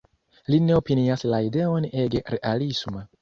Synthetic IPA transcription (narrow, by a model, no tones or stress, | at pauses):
line̞opiniaslaide̞o̞ne̞ɡeɾeʔalisma